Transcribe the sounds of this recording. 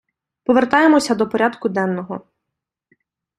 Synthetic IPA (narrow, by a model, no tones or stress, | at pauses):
pɔʋert̪ɑjemɔsʲɐd̪ɔpɔɾʲad̪kʊd̪ɛnːɔɦɔ